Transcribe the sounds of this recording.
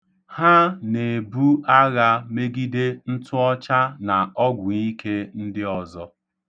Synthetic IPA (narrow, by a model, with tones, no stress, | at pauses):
ha˦ne˨bu˦a˦ɣa˦me˦ɡi˦de˦n̩˦tʊ˦ɔ˦t͡ʃa˦na˨ɔ˦ɡʷʊ˨ɲi˦ke˦n̩˦dɪ˦ɔ˨zɔ˦